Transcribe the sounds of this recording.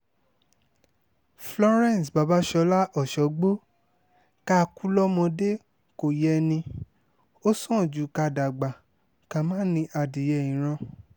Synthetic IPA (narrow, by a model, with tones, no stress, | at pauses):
flɔ˧ɾɛ̃˦˨n˨sba˧˦ba˦ʃɔ˧˦la˦ʔɔ˨ʃɔ˨˦ɡ͡bo˦ | ka˦˧ku˦lɔ˦mɔ̃˧de˦ | ko˨jɛ˧nĩ˧ | o˦sɔ̃˦˨d͡ʒu˨˦ka˧da˨ɡ͡ba˨ | kã˨mã˦nĩ˧ʔa˧di˨jɛ˧˨ĩ˨˦ɾ̃ã˧